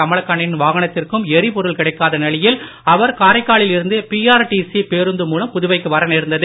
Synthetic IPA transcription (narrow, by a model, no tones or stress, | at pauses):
ɐmɪɭɐkːaɳɪnʋaːɣɐɳɐt̪ːɪrkɯmɛɾipɔɾɯɭkɪɽɐɪkːaːðɐnɛlɪjɪl | ɐʋɐɾkaːɾɐɪkːaːɭɪlɪɾɯnd̪ɯpiːaːɾʈisipeːɾɯnd̪ɯmuːlɐmpʊðʊʋɐɪkːɯʋɐɾɐneːɾɯnd̪ɐðɯ